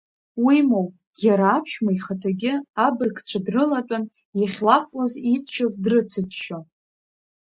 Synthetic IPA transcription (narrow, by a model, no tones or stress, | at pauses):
wimowpʼ | jʲaɾaːpʰʃᶣmaiχatʰaɡʲɪabɨrkʰʼt͡ɕʷʰadrɨlatʷʼan | jaχʲlafʼwazit͡sʰʃazdrɨt͡sʰɨtʃo